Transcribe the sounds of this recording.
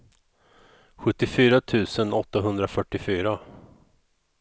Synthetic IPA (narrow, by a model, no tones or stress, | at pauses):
ɧɵt̪ːɪfyːɾat̪ʰʉ̟ːsənɔt̪ːaɦɵnd̪ɾafœʈːɪfyːɾa